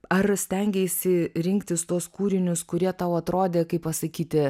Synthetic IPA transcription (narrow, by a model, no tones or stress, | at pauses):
ɐrsʲt̪ʲɛŋʲɡʲɛɪsʲɪɾʲɪŋkt̪ʲɪst̪uɔskuːɾʲɪnʲʊskʊɾʲiɛt̪ɐʊɐt̪ɾoːd̪ʲeːkɐɪppɐsɐkʲiːt̪ʲɪ